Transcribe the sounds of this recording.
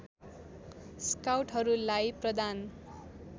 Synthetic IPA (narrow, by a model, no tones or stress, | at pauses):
skawʈɦʌɾulajprʌd̪an